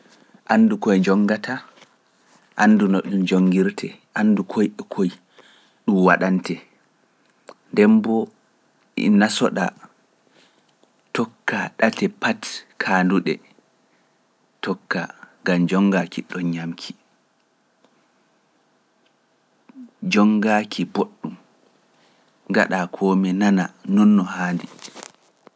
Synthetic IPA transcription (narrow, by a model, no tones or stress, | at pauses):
ʔanːdukɔjd͡ʒɔŋːɡatʰa | ʔanːdunɔɗumd͡ʒoŋɡiɾtʰɛʔandukʰojɛkʰoj | ɗumwaɗantɛ | ndɛmbɔ | ḭnasɔ̰ɗa̰ | tɔkːaɗatɛpatkʰaːnduɗɛ | tʰɔkːaŋɡamd͡ʒɔŋɡakiɗɔnɲamkʰi̥ | d͡ʒɔŋɡakʰiboɗːum | ɡa̰ɗakʰɔːmɛnananɔnːɔhaːndi